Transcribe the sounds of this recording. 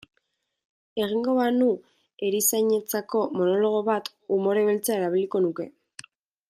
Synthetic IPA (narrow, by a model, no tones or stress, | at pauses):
e̞ɣ̞iŋɡo̞βanu | e̞ɾisajɲe̞t͡sako̞mo̞no̞lo̞ɣ̞o̞βat̪ɣumo̞ɾe̞βe̞lt͡seae̞ɾaβ̞iliko̞nuke̞